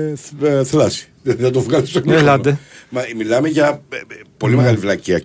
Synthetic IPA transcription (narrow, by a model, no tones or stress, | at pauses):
θlɐsi̥ | nɐt̪ovɣɐɾisomelɐd̪emɐmilɐmeʝɐpo̞limeɣɐlivlɐciɐ